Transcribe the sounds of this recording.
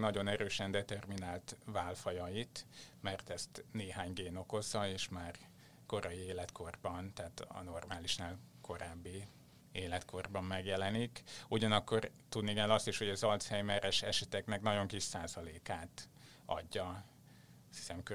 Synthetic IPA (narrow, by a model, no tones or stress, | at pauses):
nɒɟo̞nɛɾøːʃɛnd̪ɛt̪ɛrminaːlt̪vaːlfɒjɒjit̪mɛrt̪ɛst̪neːɦaːɲɡeːno̞ko̞zɒeːʃmaːr | ko̞ɾɒjieːlɛt̪kʰo̞rbɒnt̪ɛːt̪ɒ̰no̞rmaːliʃnaːlkʰo̞ɾaːbːi | eːlɛt̪kʰo̞rbɒmːɛɡjɛlɛnikuɟɒnɒkːo̞rt̪ud̪nikɛlːɒst̪iʃho̞ɟɒzɒlt̪shɛjmɛɾɛʃɛʃɛt̪ɛknɛknɒɟo̞ŋkiʃaːzɒleːkaːt̪ | ɒ̰ɟːɒ | st̪hi̥sɛmkø